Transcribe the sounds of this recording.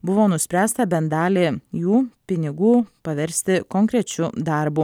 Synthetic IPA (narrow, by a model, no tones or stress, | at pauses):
bʊʋoːnʊsʲpʲɾʲæːst̪ɐbʲɛnd̪ɑːlʲeːjuːpʲɪnʲɪɡuːpɐʋʲɛɾʲsʲt̪ʲɪkɔŋʲkɾʲɛt͡ʃʲʊd̪ɑɾbu